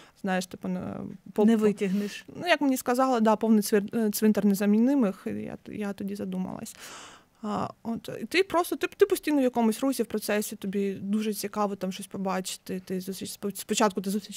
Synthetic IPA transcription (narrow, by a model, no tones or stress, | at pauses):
znɑjeʂt̪ɪpʊn̰pɔnɛʋɪtʲɐɦnɪʃnujɐkmnʲiskɐzɑlˠɪd̪ɑpɔʋnɪt̪sʋt̪sʋɪnt̪ɛrnɛzɐmʲinɪmɨxja̰jat̪ɔdʲizɐd̪umɐ̰lˠɐ̰sʲ | ot̪ḭt̪ɪpɾɔst̪ɔt̪ɪt̪ɪpɔsʲtʲijnɔvjɐkɔmʊsʲrusʲiwpɾɔt̪sɛsʲɪt̪ɔbʲid̪uʐɛt͡sʲikɑʋɔt̪ɑmʃɔsʲpɔbɑt͡ʃɪ̥t̪ɪt̪ɪzusʲit͡ʃspspɔt͡ʃɑt̪̚kʊt̪̬ɪzusʲit͡ʃ